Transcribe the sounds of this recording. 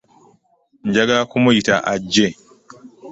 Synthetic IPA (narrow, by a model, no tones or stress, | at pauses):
nd͡ʒɐɡakʊmɔjitaʔad͡ʒːe